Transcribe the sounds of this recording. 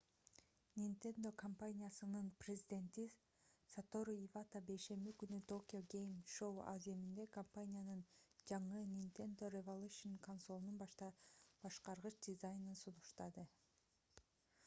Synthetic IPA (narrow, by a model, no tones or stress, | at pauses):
nʲint̪e̞nd̪o̞kʰɐmpanʲijasɯnɯnprʲezʲɪd̪ʲe̞nt̪i | sat̪o̞ɾuivat̪abe̞ʃe̞mikynyt̪ʰo̞kʲɪo̞ɡʲe̞jmʃowa̰zemind̪e̞kɐmpanʲijanɯnd͡ʒɑɴɯnʲint̪e̞nd̪o̞revolˠuʃonkonsolˠununbɑʃt̪ɑb̥ɑʃqɑɾʁɯt͡ʃd̪ʲɪzajnɯnsunuʃt̪ɑd̪ɯ